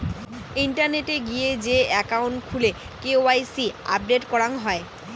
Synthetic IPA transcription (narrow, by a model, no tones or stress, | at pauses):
iɳʈaɾneʈeɡied͡ʑeɛkauɳʈkʰule | keoajsia̰p̚ɖeʈkɔɾaŋɦɔe